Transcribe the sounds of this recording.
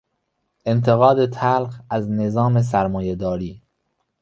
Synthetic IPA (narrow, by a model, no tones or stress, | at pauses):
ʔe̞nt̪ʰe̞ɣɒːd̪et̪ʰælxæzne̞zɒːme̞s̬æɾmɒːjed̪ɒːɾiː